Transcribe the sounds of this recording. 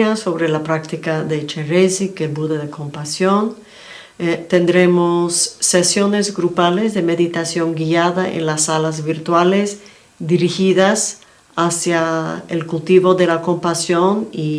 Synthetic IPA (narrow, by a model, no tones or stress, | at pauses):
aso̞βɾelapɾak̚t̪ikaðet͡ʃerezikelbuðeðekʰo̞mpasjon | t̪end̪ɾe̞mosːesjo̞ne̞zɡɾupale̞zðeme̞ðit̪asjo̞ŋɡiaðaʔḛnlasalazβiɾt̪walez | d̪iɾixiðas | asjaelkult̪iβo̞ðelako̞mpasjo̞ni